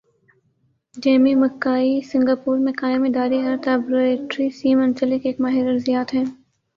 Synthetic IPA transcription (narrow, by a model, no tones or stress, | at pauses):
d͡ʒeːmimɐkːaːisɪ̃ŋɡaːpuːɾmẽkaːjmid̪aːɾiɐɾt̪aːbɾeːʈɾisiːmɐ̃nsəlɪkeːkmaːɦɪɾɐɾzijaːt̪ɦɛ̃ː